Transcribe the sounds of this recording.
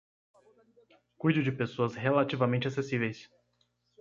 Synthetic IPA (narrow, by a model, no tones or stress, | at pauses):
kujd̪ʊd͡ʒɪpesoɐsɦelat͡ʃivamẽnt͡ʃɪasesivejs